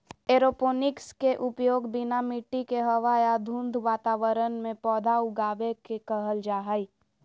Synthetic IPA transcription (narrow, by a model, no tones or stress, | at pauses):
eːɾopoːnɪkskeʔʊpjoːɡbɪnamɪʈːikeɦəʋaːjad̪ʱũnd̪ʱʋaːt̪aːʋəɾənmẽpɔːd̪ʱaʊɡaːʋekekəɦəld͡ʒaːɦəi